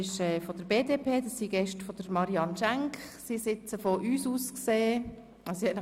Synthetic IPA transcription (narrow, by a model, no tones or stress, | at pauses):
ɪʃɛːfod̥əɾbeːdepʰeːd̥ɑssiɡ̥ɛʃtfɔd̥əɾmɑɾiɑnʃæŋkχsisɪt͡səfɔʔyːsuːskseː | ɑssihɛn